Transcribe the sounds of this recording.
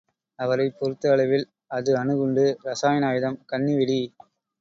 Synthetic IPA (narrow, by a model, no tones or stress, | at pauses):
ɐʋɐɾɐɪpːɔɾɯt̪ːɯɐɭɐʋɪl | ɐðɯɐnɯɣɯɳɖɯɾɐsaːjɐnaːjɪðɐmkɐɳːiʋɪɽi